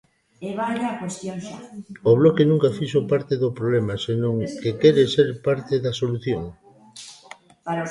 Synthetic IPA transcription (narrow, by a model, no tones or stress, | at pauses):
eβaʎakwest̪jonʃaoβ̞lɔkenũŋkafiʃopaɾt̪eðopɾoβlemasenõŋkekɛɾeseɾpaɾt̪eðɐsoluθjoŋ | paɾ